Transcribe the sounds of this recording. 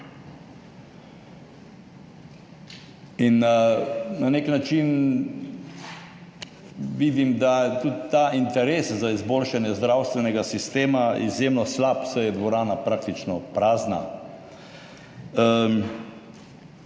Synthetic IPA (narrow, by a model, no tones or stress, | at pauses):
in | naneknat͡ʃin | ʋid̪imd̪at̪ut̪t̪ːaint̪ɛɾeːszaizboːlʃanjɛzd̪ɾawst̪ʋɛnɛɡasist̪eːmaḭzjemnɔslapsɛjɛd̪ʋɔɾaːnapɾak̚t̪it͡ʃnɔpɾaːzna̰